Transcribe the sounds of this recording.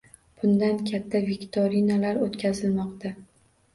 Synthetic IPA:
b̥ʊnd̪ankʲʰat̪ʰːaveɡʲt̪ʰoɾinalaɾot̪kʲʰazɪlmɒqt̪ʰa

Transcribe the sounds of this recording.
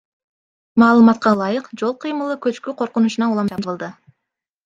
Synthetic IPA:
mɑːlˠɯmɑt̪̚qɑlˠɑjɯqd͡ʒo̞lˠqʰɯjmɯlˠɯkøt͡ʃkyqʰo̞ɾqunuʃunɑulˠɑmd͡ʒɑd̪əlˠd̪ɯ

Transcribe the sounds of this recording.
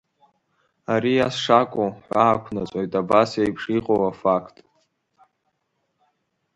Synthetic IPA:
aɾijasʂakʷʼoħʷaːkʷʰnat͡sʷʼojtʼabasjajpʰʂiqʼowafakʰtʼ

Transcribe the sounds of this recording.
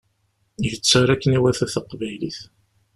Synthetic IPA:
iʝət͡sːəɾækːəniwæθæθəqːvæjliθ

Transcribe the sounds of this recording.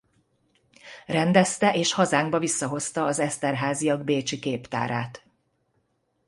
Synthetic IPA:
rɛnd̪ɛst̪ɛʔeːʃhɒzaːŋɡbɒvisːɒɦo̞st̪ɒːzɛst̪ɛrɦaːzijɒɡ̚beːt͡ʃikeːpt̪a̰ːɾa̰ːt̪

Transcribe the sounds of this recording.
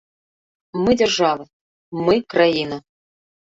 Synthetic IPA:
mɨdʲerʐɑvɨ | mɨkrajinɐ

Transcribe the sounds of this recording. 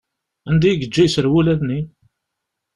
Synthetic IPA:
ænd̪ijɡəd͡ʒːijsəɾwulæðni

